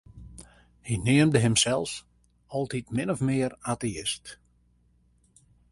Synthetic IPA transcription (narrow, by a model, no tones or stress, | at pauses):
hinɪəmdəɦɪmsɛlˠs | ɔlˠtitmɪnɔfmɪəraːteɪst